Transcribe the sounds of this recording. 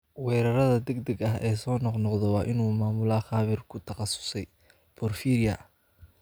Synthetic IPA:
wɛːɾɐɾɐðɐd̪ɛɡd̪ɐɡɐɦʔɛːsɔːnɔqnɔqd̪ɛwɑːʔɪnuːmaːmʊlɐχɑːβɪrkʰʊt̪ʰɐχɑsʊ̥sɛj | bʰɔrfiːɾɪjɐ̰

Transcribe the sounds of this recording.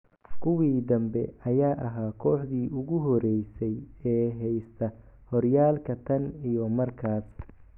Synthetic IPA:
kʰʊwiːd̪ɐmbɛɐjaːʔɐɦaːkʰɔːħd̪iːʊɣʊɦɔɾɛjsɛjɛːɦɛjst̪ʰɐ | hɔrjaːlkʰɐt̪ʰɐnijɔmɐrkʰaːs

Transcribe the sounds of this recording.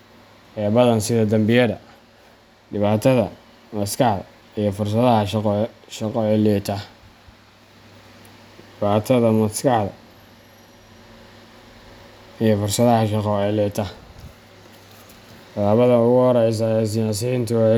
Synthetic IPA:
hɛːbɐðɐnsɪðɐd̪ɐmbɪjɐðɐ | ɖɪβaːt̪ʰɐðɐ | mɐskɑħðɐ̰ | ijɞfʊrs̬ɐðɐɦɐʃqːʃɐqɔːʕɛlɛːt̪ʰɐ | ɪβaːt̪ʰɐðɐmɐskɑħðɐ̰ | ijɞfʊrsɐðɐɦɐʃɑqɔʕɛlɛt̪ʰɐ | t̪ʰɐlaːβɐðɐʊɣʊhɔɾɛjs̬ɐɛːs̬ɪjaːs̬int̪ʰʊɛ

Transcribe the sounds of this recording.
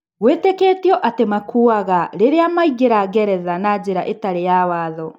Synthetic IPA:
wetekeːtiɔʔatemakʰuaɣaɾeɾeamaiɣeɾaɣɛɾɛðanaːd͡ʑeɾaʔetaɾejawaːðɔ

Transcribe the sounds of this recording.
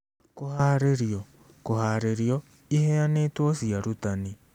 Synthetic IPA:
kohaɾeɾiɔ | kohaɾeɾiɔ | ihɛaneːtwɔsiaɾutani

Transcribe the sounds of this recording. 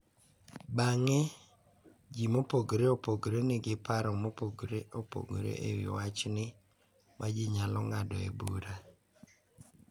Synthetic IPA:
baŋɛ | d͡ʒimopoɡɾeopoɡɾenɪɡɪpaɾɔmopoɡɾeʔopo̰ɡɾḛʔḛwɪ̰wat͡ʃnɪ | mʔad͡ʒɪɲalɔŋadɔḛbuɾa

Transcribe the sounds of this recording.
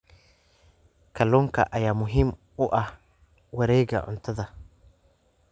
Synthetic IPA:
kɐlɔŋka̰ʔajamʊɦɪm | ʊʔa | wɐɾeːɡa̰ʔʊ̰nt̪ɐd̪ɐ

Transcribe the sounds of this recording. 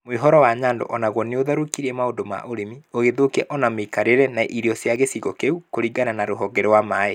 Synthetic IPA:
mweɦɔɾɔwaɲaːndo̰ʔɔnaɣwɔneoðaɾokiɾɛmaodoma̰ʔoɾemioɣeðokɛʔɔnamekaɾeɾɛnaʔiɾiɔsjaɣesiɣɔkeukoɾiɡananaɾoɦɔɡɛɾɛwamaːe

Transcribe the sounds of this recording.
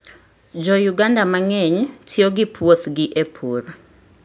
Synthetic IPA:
d͡ʒɔjuɡandamaŋɛɲtʰjoɡɪpʰwot̪ɡɪʔepʰoɾ

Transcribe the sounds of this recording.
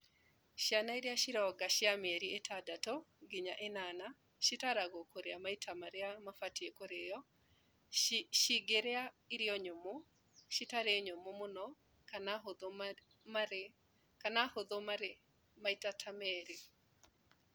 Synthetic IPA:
ʃjanaiɾjaʃɪɾɔɡaʃɪameɾietʰadatoɡɪɲa̰ʔenana | ʃitaɾaɡɔkoɾeamaitʰamaɾɛamafatiekoɾejɔ | ʃiɡeɾea | iɾjɔɲomo | ʃitaɾeɲomomʊnɔ | anaod | ma | kanahod̪omae | maitatʰamɛɾe

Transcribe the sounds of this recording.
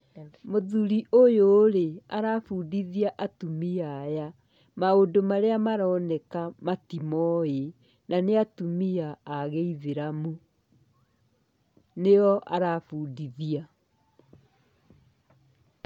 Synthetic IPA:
moðuɾiʔojoːɾeaɾafuːdiðiaʔatumiaja | maondomaɾeamaɾɔːnɛkamatimɔe | naneatumiaːɣeiðeɾamu | neɔʔaɾafuːdiðia

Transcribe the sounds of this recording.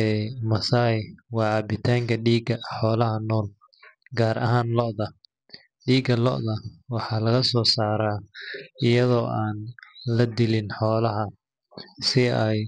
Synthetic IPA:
ɛːmɐsawɑːaːbɪt̪ʰaːŋkʰɐɖiːɡɐħɔːlɐɦɐnɔːl | ɡaːɾʔɐ̰ɦaːnlɔʔðɐ | ɖiːɡɐlɔ̰ʔðɐwɑħɑːlɐɣɐsɔːsaːɾaːɪjɐðɔːʔaːnlɐd̪ɪlɪnħɔːlɐɦɐ | sɪɛj

